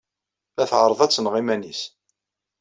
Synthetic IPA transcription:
æθʕəɾˤəðˤæt͡sːənʁimænis

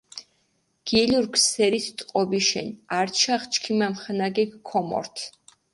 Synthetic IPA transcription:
ɡ̥iliɾkʰsɛɾit̪ʰt̪ʼqʼɔbiʃɛ̰naɾt͡ʃʰaχt͡ʃʰkʰimamχanaɡɛkʰːɔmɔ̰ɾt̪ʰ

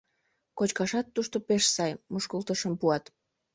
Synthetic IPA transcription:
kot͡ɕkɑʃɑt̪ːuʃt̪opeʃsɑjmuʃkult̪əʃəmpuɑt̪

